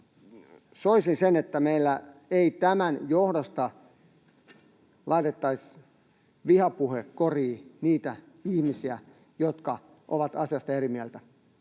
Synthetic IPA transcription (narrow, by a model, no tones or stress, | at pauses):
soisinsenet̪ːæmeilːæeit̪æmænjohdost̪ɑ | lʔɑit̪et̪ːɑis | ʋihɑpuhekkoriːniːt̪æ | ihmisiæ | jot̪kɑ | ʔo̰ʋɑt̪ɑsiɑst̪ɑerimiælt̪æ